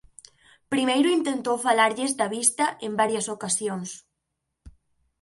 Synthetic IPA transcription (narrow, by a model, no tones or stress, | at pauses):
pɾimejɾʊint̪ent̪owfalaɾʎɪzd̪ɐβist̪ɐʔembaɾjɐsokasjoŋs